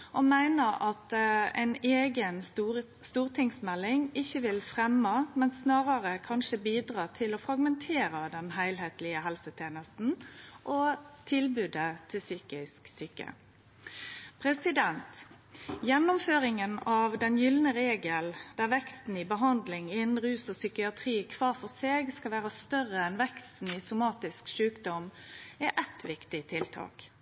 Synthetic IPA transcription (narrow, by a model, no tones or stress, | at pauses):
ʔɔmæɪnəɾɑt̪ɛ̰ɪneːɡən | st̪uːʁt̪ʰɪŋsmɛlːɪŋɪçːəʋɪlfʁɛmːəmɛnsnɑːʁɑʁəkʰɑnʃəbiːd̪ʁɑːt̪ʰɪlɔfɾɑɡmɛnt̪ʰeːɾəd̪ɛnɦæɪlɦeːt̪lɪəɦɛlsət̪ʰjeːnəst̪n̩ʔɔt̪ʰɪlbʉːd̪ət̪ʰɪlsyːkɪsksyːkə̰ | pʰɾɛsɪd̪ɛnt̪ | jɛnːʊmføːɾɪŋənɑʋd̪ɛnjʏlnəɾeːɡəld̪̥æʁʋɛkst̪n̩ɪbəɦɑnd̪lɪŋɪnn̩ʁʉːsɔsʏkɪɑt̪ʰʁiːkʰʋɑːʁfɔʁseːɡskɑʋæːɾəst̪œʁəɛnʋɛkst̪n̩ɪsʊmɑːt̪ɪskʃʉːkd̪ɔmɛʔɛt̪ʰʋɪkt̪ɪt̪ʰɪlt̪ʰɑ̰ːk